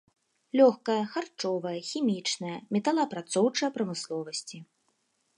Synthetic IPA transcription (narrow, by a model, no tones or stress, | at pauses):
lʲɔxkɐjɐxart͡ʂɔvɐjɐxʲimʲit͡ʂnɐjɐmʲɛt̪ɐlˠɐːpɾat̪sɔwt͡ʂɐjɐpɾɐmɨslˠɔvɐsʲt͡sʲi